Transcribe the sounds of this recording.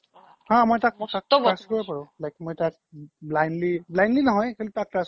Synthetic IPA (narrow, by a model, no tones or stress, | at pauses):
hãmɔjtak̚tak̚askɔɹapaɹʊ̃lajkmojtak̚blajnliblajnlinɔɦɔjkʰelitak̚tas